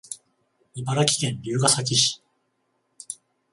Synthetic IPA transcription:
ibaɾakʲi̥kẽ̞nɾʲɨːɡasak̬ʲiɕi̥

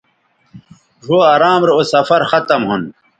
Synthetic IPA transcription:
ʐoːɐɾaːmɾeosɐfɐɾxɐt̪ɐmɦun

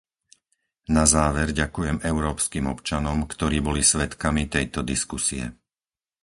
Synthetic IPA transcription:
nazaːʋɛɾɟakujɛmɛʊɾɔːpskimɔpt͡ʃanɔmkt̪ɔɾiːbɔlisʋɛt̪kamit̪ɛjt̪ɔd̪iskusiɛ̰

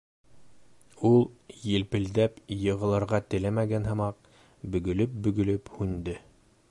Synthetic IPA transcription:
ulˠjɘ̆lpɘ̆ld̪æpjɤ̆ʁɤ̆lˠɑɾʁɑt̪ɘ̆læmæɡænɦɤ̆mɑq | bɵ̆ɡɵ̆lɵp̚bɵ̆ɡɵ̆lɵphʉnd̪ɘ

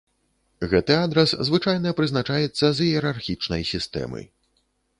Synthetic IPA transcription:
ɣɛt̪ɨad̪ɾɐszvɨt͡ʂajn̪ɐpɾɨznat͡ʂajɛt̪sːɐzjɛɾarxʲit͡ʂnɐ̰jsʲist̪ɛ̰mɨ̰j

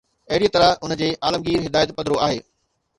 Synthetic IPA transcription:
ɐɦɪɾijt̪ɐɾəʊnə̆d͡ʑeːʔaːləmɡiːɾɦɪd̪aːjət̪pɐd̪ɾoaːɦḛː

